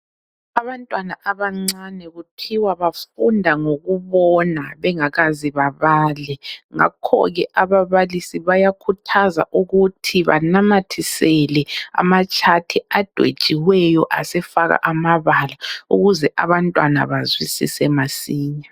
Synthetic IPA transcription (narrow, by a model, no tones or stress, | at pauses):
aβantʼwanaʔaβaŋ͡ǀanɛɣupʰiwaβafundʱaŋoɣuβɔnaβɛŋaɣaziβaβaːlɛŋa̰kʰɔ̰ɣɛʔaβaβalisiβajakʰutʰaza̰ʔuɣutʰiβa̰namatʰisɛlɛa̰mat͡ʃʼʰatʰiad̥ʱwḛd̥ʒ̥ʱiwɛjɔʔasɛfaɣa̰ʔamaβalauɣuzɛʔaβantʼwa̰na̰βazwisḭsɛmasiːɲa